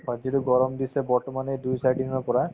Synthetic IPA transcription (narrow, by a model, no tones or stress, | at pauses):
hɔziɾuɡɔɹɔmd̪isɛbɔɹʈɔmanedujsajɖinɔɹpɔɹa